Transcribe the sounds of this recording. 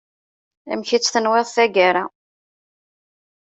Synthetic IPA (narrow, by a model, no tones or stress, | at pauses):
æ̰mçit͡sːθənweðˤθæɡaɾa